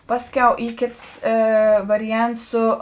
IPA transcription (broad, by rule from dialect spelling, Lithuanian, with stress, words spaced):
ˈpɑːsʲˌkʲɛʊ ˈiː ˈkʲeːts ˈeː ˈʋɑːrʲɪˌjɛnts ˈsʊ